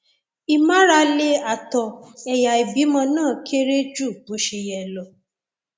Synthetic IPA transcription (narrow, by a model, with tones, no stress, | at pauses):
i˧mã˦ɾa˧le˧a˨tɔ˧ɛ˧ja˨i˨bi˨˦mɔ̃˧nãː˦˨kʰe˦ɾe˦d͡ʒu˦˨bo˨˦ʃe˧jɛ˧lɔ˨